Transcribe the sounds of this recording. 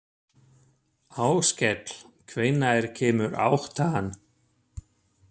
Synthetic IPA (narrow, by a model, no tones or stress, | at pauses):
aːwscɛt̪l̥kʰvɪjnːajɾ̥cʰɛːmʏɾa̰wht̪ʰaanː